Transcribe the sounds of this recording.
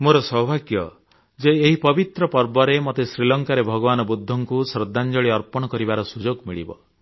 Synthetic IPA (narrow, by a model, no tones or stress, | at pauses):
moɾɔsɔɦbʱaɡjɔ | d͡ʒeːɦipɔbit̪ɾɔpɔɾbɔɾemot̪esɾilɔŋkaɾebʱɔɡɔbanɔbud̪ʱːɔŋkusɾɔd̪ʱːand͡ʒɔɭiɔɾpɔɽ̃ɔkɔɾibaɾɔsud͡ʒoɡmiɭḭbɔ̰